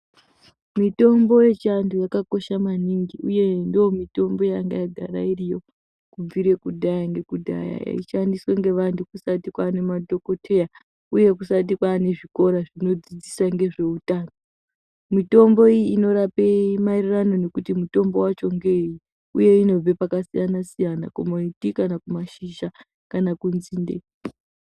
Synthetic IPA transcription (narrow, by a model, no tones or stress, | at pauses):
mito̞mbo̞je̞t͡ʃantujakako̞ʃamaniŋɡiuje̞ndomito̞mbo̞jaŋɡa̰jaɡʱaɾa̰irijo̞ | kub͡viɾe̞kudʱajaŋɡe̞kudʱa̰ja̰ja̰ḭʃandisweŋɡe̞ʋantukusatikwaːne̞madʱoko̞tʰeja | uje̞kusat̬ikwaːne̞ʐiko̞ɾaʐino̞d͡zid͡zisaŋɡe̞ʐe̞utaːno | mito̞mbo̞ijiːno̞ɾape̞mairirano̞ne̞kutimuto̞mbo̞wat͡ʃo̞ŋɡe̞ji | uje̞ino̞b͡vepakasijanasijana̰kumoitikanakumaʃiʒa | kanakunziːndḛ